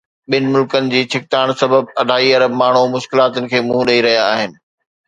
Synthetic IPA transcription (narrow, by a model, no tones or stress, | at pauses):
ɓɪnɪ̆mʊlkənɪ̆d͡ʑiːt͡ɕʰɪk̚t̪aːɽ̃sɐbəb̚ɐɖʱaːiɐɾəmaːɳ̤umʊʃkɪlaːt̪ʊnɪ̆kʰeːmũːɗɐiɾɐɦijaaːɦɪnɪ̆